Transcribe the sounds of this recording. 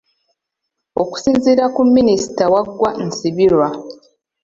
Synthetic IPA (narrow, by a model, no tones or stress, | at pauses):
o̞ku̥siːnziːɾakumːinisi̥tawaɡːwan̩siβilwa